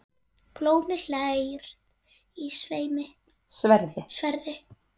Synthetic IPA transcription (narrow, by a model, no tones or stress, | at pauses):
ploːwmɪl̥ajɾ̥ð | isveːjmɪ | svɛɾðɪsvɛɾðɪ